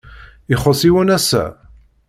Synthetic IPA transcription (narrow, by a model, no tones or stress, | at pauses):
ɪχəsiwənæsæ̰